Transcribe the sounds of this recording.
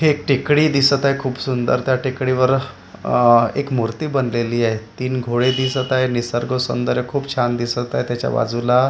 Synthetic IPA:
hek̚ʈikɽiːd̪isət̪ajkʰuːpsund̪ə̰ɾt̪jaʈikɽiʋəɾ | ḛkmuɾt̪iːbənleliːaɦet̪iːnɡʱoɭed̪isət̪ajnisəɾɡosṵnd̪əɾjəkʰuːpt͡ɕʰand̪isət̪aɦjt̪jat͡ɕja̰ʋa̰d͡zula

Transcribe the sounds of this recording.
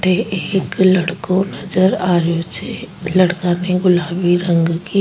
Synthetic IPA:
ʈeeːklɐɽkõnɐd͡ʒəɾaːɾjot͡ʃelɐɽkãneɡʊlaːbiɾə̃ŋɡki

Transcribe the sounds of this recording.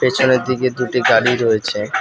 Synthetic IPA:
pet͡ɕʰoneɾd̪iked̪uʈiɡaɽiɾoet͡ɕʰe

